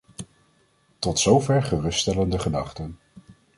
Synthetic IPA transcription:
tɔtsowvɛɹχərɵststɛləndəχədɑχtən

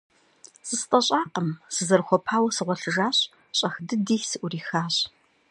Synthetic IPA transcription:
sɨstʼɐɕʼaːqəmsɨzɐrxʷɔpʰaːwɐsɨʁʷɔɬɨʒaːɕʼ | ɕʼɐxdɨdiːsɨʔʷʊriːxaːɕ

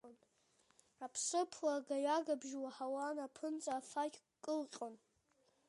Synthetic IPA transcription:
nʼ | apʰsɨpʰwaɡaɥaɡabʒwaħawanapʰɨnt͡sʼaːfakʲʼ | kʼːɨlqʲʼon

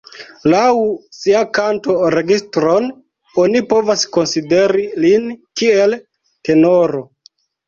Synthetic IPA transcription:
lawsiakanto̞ɾe̞ɡistɾo̞n | onipo̞vasko̞nside̞ɾilinkie̞l | te̞no̞ɾo̞

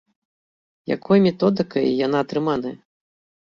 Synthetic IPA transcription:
ja̰kɔjmʲɛt̪ɔd̪ɨkɐjjan̪aːt̪ɾɨmanɐjɐ

